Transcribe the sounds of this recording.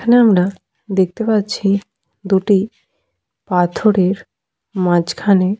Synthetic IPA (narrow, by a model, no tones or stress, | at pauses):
kʰaneamɾa | d̪ek̚ʰt̪epatːɕʰi | d̪uʈi | pat̪ʰoɾeɾ | mãd͡ʑkʰane